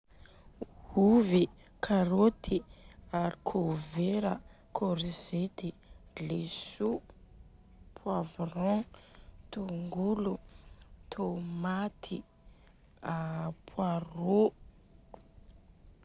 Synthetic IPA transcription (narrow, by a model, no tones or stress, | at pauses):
huvi | kʰaɾot̪ʰiaɾikʰoveɾə | kʰoɾizet̪ilesu | pʰwavrɔ̃ | t̪oŋɡulut̪ʰomat̪ʰi | apʰwaro